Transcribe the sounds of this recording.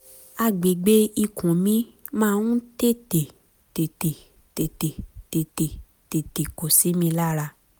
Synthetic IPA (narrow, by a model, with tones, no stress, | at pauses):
a˧˨ɡ͡be˨ɡ͡be˦i˧kʰũ˨mĩ˨˦ | mãː˦˨nũ˦te˦˨te˨ | te˨te˨ | te˨te˨te˨te˨ | te˨te˨ko˨si˨˦mĩ˧la˦ɾa˧